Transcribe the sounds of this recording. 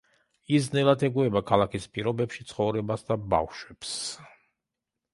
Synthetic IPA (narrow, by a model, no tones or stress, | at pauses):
iznɛlat̪ʰɛɡuɛbakʰalakʰispʼiɾɔbɛpʃit̪sʰχɔvɾɛbasd̪aba̰fʃwɛps